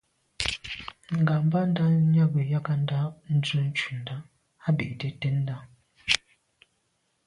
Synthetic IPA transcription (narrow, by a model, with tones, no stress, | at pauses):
ŋ̩˨ɡa˨m˦ba˦n̩˦da˦ɲa˦bə˨ja˦ka˦n˦da˦n̩˦d͡zə˦n̩˦t͡ʃi˨n˨da˦ | a˦bḭ˨ʔtɛ˨tɛ˦n̩˦da˦